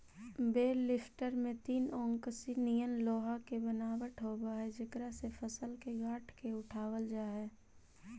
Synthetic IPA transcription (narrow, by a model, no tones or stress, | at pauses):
beːɾlɪfʰʈəɾmẽt̪iːnɔ̃ːŋkəsinijənloːɦakebənaːʋəʈʰɦoːbaɦɛd͡ʒɪk̪ɾasepʰəsəlkeɡaːʈʰkeʊʈʰaːwəld͡ʒaːɦɛː